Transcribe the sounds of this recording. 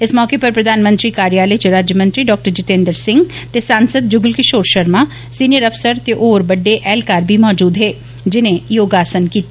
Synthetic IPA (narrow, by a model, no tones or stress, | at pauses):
ɪsmɔːkepɐɾpɾɐd̪ʱaːnmə̃nt̪ɾikaːɾijaːləit͡ʃeɾaːd͡ʒjəmə̃nt̪ɾiɖɔːk̚ʈəɾd͡ʒɪt̪ẽːnd̪əɾsɪ̃ŋɡt̪esaːnsəd̪̚d͡ʒʊɡlkɪʃoːɾʃɐɾma | siːnijəɾɐfsəɾt̪eʔoːɾbɐɖːeʔɛːlkaːɾbʱimɔːd͡ʒuːd̪ɦɛː | d͡ʒɪnẽjoːɡaːsənkiːt̪